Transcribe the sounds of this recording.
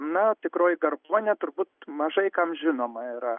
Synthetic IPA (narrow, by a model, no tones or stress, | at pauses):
nɐt̪ʲɪkɾoːjɡɐrboːnʲɛt̪ʊɾbuːt̪mɐʒɐɪkɐmʒʲɪnoːmɐiɾɐ